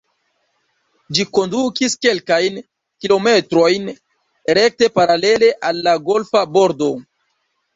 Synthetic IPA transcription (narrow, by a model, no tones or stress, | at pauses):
d͡ʒiko̞ndukiske̞lkajn | kilo̞me̞tɾo̞jn | ɾe̞k̚te̞paɾale̞le̞ʔalːaɡo̞lfabo̞ɾdo̞